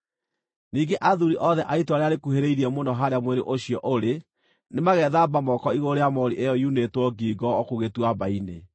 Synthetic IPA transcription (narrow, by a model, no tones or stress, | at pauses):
niːɡeʔaðuɾiʔɔðɛʔaitwaɾeaɾekuheɾeiɾiɛmondɔɦaɾeamweɾeʔoɕiɔʔoɾe | nemaɣɛðabamɔkɔiɣoɾeamɔɾiʔejɔjunetwɔɡiːɡɔːkuɣetwabaine